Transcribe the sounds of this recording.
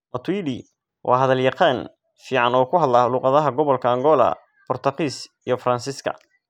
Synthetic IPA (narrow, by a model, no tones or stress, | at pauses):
mɔt̪ʰwidi | wʔɑːɦɐðɐljɑqɑːn | fiːʕɑnɔːkʰʊɦɐd̪laluːqɑðɐɦɐɡɔβɔlkʰɐːŋɡɔlɐ̰ | b̥ʊrt̪ʰɐqiːsijɞfɾɐnsɪskʰɐ̰